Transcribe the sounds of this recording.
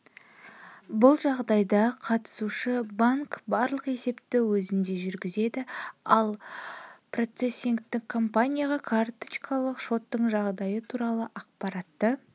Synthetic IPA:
bʊlˠʒɑʁd̪ɑjd̪ɑqʰɑt̪ə̥suʃɪbaŋkbɑɾlˠəqe̞se̞pt̪ɪwɵzɪnd̪e̞ʒʏɾɡʲɪze̞d̪ɪɑlˠ | pro̞t̪se̞sʲːiŋkt̪ɪkʰːo̞mpanʲijaʁɑkʰart̪t͡ʃkʰɑlˠəqʃo̞t̪ːəɴʒɑʁd̪ɑjət̪ʰuɾɑlˠəʔɑq̚pɑɾɑt̪ːə

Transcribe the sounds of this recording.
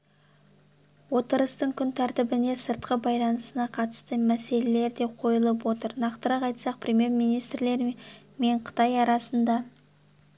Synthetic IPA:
wo̞t̪əɾəst̪əɴkʲʰʏnt̪ʰɑɾt̪ɪbɪne̞səɾt̪̚qəbɑjlˠɑnəsənɑqʰɑt̪ə̥st̪əmæse̞le̞le̞ɾd̪e̞qʰo̞jəlˠəp̬wo̞t̪əɾnɑqt̪əɾɑqɑjt̪sɑq̚prʲe̞mʲje̞rmijnijst̪ɾle̞ɾ | me̞ɴqʰə̥t̪ɑjɑɾɑsənd̪ɑ

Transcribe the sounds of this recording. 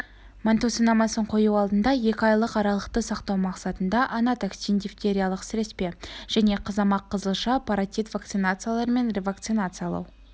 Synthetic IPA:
mant̪osənɑmɑsəɴqʰo̞juɑlˠd̪ənd̪ɑje̞kʲɪɑjlˠəqɑɾɑlˠəqt̪əsɑqt̪ɑwmɑqsɑt̪ənd̪ɑʔɑnɑt̪aksind̪ʲift̪ʲe̞ɾʲijalˠəqsɪɾe̞spe̞ʒ̥æne̞qʰəzɑmɑqʰːəzəlˠʃɑpaɾat̪ʲit̪vakt̪sɨnat̪sɨjalˠɑɾme̞nrʲevak̚t̪sɨnat̪sɨjalˠɑ̰w

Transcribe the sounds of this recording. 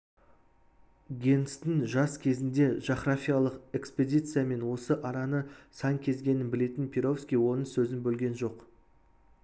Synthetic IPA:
ɡʲe̞nst̪ɪŋʒɑskʲʰe̞zɪnd̪e̞ʒɑχɾafʲijalˠəqe̞kspe̞d̪ʲijt̪sɨjame̞nwo̞səʔɑɾɑnəsɑŋkʲʰe̞zɡʲe̞nɪnbɪle̞t̪ɪnpʲʰeɾofskʲijwo̞nəŋsɵzɪnbɵlɡʲe̞nʒo̞q

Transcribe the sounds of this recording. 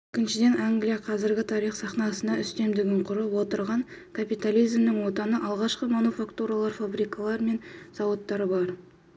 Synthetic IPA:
ɪkʲɪnʃɪd̪e̞nʔaŋɡlijaqʰɑzɪɾɡʲɪt̪ʰɑɾijχsɑχnɑsənɑʏst̪e̞md̪ɪɡʲɪɴqʰʊɾəpwo̞t̪əɾʁɑŋkʰapijt̪alijzmnɪŋwot̪ɑnəʔɑlˠʁɑʃqəmanufakt̪uɾalˠɑɾfabɾijkalˠɑɾme̞nz̥ɑwot̪ːɑɾəbɑɾ

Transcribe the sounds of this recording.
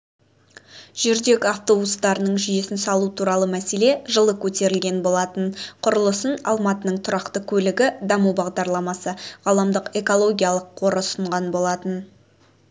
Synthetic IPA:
ʒ̥ʏɾd̪e̞kʲɑft̪o̞bust̪ɑɾənəɴʒije̞sɪnsɑlˠut̪ʰuɾɑlˠəmæse̞le̞ʒəlˠəkʲʰɵt̪e̞ɾɪlɡʲe̞nbo̞lˠɑt̪ənqʰʊɾəlˠəsənɑ̰lˠmɑt̪ənəɴt̪ʰʊɾɑqt̪əkʲʰɵlɪɡʲɪd̪ɑmuwbɑʁd̪ɑɾlˠɑmɑsəʁɑlˠɑmd̪əqe̞ko̞lˠo̞ɡʲijɑlˠəqʰːo̞ɾəsəɴʁɑnbo̞lˠɑt̪ən

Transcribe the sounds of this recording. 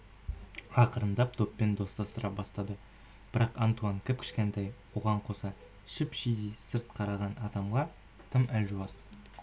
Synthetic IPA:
ɑqəɾənd̪ɑp̚t̪ʰo̞pːend̪o̞st̪ɑst̪əɾʔɑbɑst̪ɑd̪ə | b̥ɪɾɑqɑnt̪uɑŋkʲʰɪp̚kʲʰɪ̥ʃkʲent̪ejwoʁɑɴqʰo̞sɑ | ʃɪpʃijd̪isəɾt̪̚qʰɑɾɑʁɑnɑd̪ɑmʁɑ | t̪ʰəmælʲʒuɑz

